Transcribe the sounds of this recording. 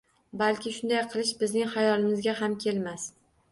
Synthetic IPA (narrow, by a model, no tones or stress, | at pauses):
balkʲɪʃʊnd̪ajqʰɨlˠɪʃbɪznɪŋhajɒlˠɪmɪzɡʲaɦamkʲʰe̞lmas